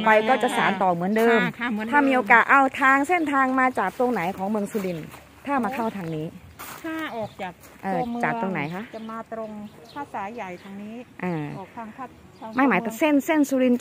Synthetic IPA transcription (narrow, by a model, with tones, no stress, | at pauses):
pa˧jkɔː˥˩t͡ɕa˨˩saː˩˦nt̪ɔː˨˩mɯ˩˦əndɤː˧mʰ˥aː˥˩miː˧ʔoː˧kaː˨˩t̪̚ʔa˧wt̪ʰaː˧ŋse˥˩nt̪ʰaː˧ŋmaː˧t͡ɕaː˨˩k̚t̪o˧ŋna˩˦jkʰɔː˩˦ŋmɯ˧əŋsuː˧ɾi˧n | t̪ʰaː˥˩maː˧kʰa˥˩wt̪ʰaː˧ŋniː˦˥t̪ʰaː˥˩ɔː˨˩k̚t͡ɕaː˨˩k̚ | ʔɤː˧˩t͡ɕaː˨˩kt̪o˧ŋna˩˦jkʰa˦˥ʔmaː˧t̪ɾo˧ŋ | pʰaː˧˩saː˩˦ja˨˩jt̪o˧ŋniː˦˥ʔɤː˧˩˨t̪ʰa˧ŋʰa˥˩ | ma˥˩jmaː˩˦jpʰa˧se˥˩nse˥˩nsuː˧ɾi˧n